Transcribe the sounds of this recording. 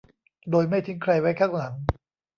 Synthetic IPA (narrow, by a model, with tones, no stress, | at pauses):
doː˧jma˥˩jt̪ʰɯ˦˥ŋkʰɾa˧jwa˦˥jkʰaː˥˩ŋla˩˦ŋ